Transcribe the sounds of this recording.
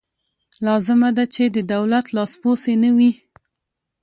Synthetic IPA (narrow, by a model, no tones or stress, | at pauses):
lɑzɪmad̪at͡ʃed̪əd̪awlat̪lɑsposenəwi